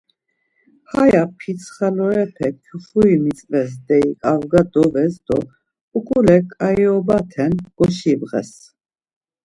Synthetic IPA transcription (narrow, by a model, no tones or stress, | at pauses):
hajapʰit͡sʰχɛlɔɾɛpʰɛkʰjuχuimit͡sʼvɛs̬d̪ɛikʼavɡad̪ɔvɛs̬d̪ɔ | ukʼulɛkʼaiɔbat̪ʰɛnɡ̥ɔʃibʁɛ̰s